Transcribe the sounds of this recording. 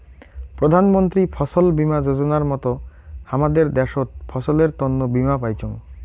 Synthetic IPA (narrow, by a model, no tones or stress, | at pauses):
pɾod̪ʱanmont̪ɾipʰɔsolbimad͡ʑod͡ʑonaɾmɔt̪o | amad̪eɾd̪ɛʃot̪̚fʰɔsoleɾt̪ɔnːobimapajt͡ɕʰoŋ